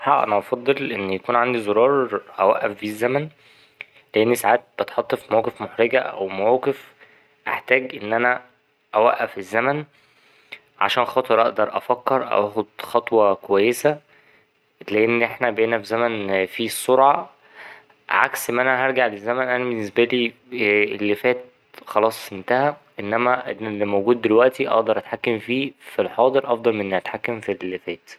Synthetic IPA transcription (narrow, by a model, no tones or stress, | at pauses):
ħɑ̰ʔænæʔɑfɑd̪ˤːelʔenːjækuːnʕand̪izoɾˤɑːɾˤʔæ̰wæʔːæfbizːæmæn | leʔenːisaʕaːt̪̚bet̪ħɑt̪ˤːefmæwqefmoħɾeɡæʔæ̰wmæwqef | ʔeħt̪æːɡʔenːʔænæ | ʔæwæʔːæfezːæmæn | ʕa̰ʃæːnxɑːt̪ˤeɾʔɑʔd̪ɑɾˤʔɑ̰fækːeɾˤʔæ̰ʔæːxod̪xɑt̪ˤwɑkowæjːesæ | leʔenːʔeħnæbʔeːnæbezæmænfiːsˤːoɾʕɑ | ʕa̰ksʔemːʔænæɦæɾˤɡaʕlezːæmænʔænæbenːes̬bæliːelːefæːt̪̚ | xɑlɑːsˤʔent̪æhæʔenːæmæʔḛnelːimowɡuːd̪̚ːelwæʔt̪iʔɑ̰ʔd̪ɑɾˤʔæt̪ħakːemfiːfilħɑːd̪ˤeɾʔɑfd̪ˤɑlmenːʔæt̪ħakːæmfilːefæːt̪